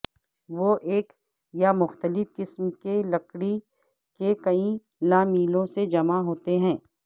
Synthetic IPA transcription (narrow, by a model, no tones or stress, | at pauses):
ʋoʔeːk | jamʊxt̪əlɪfkɪsmkelɐkɽi | kekɐĩ | laːmiːlõsed͡ʒɐmaɦoːt̪eɦɛ̃ː